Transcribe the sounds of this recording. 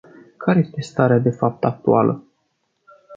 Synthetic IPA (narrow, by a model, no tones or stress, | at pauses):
kʰaɾeje̞st̪e̞st̪aɾead̪e̞fap̚t̪ak̚t̪ualʔə̰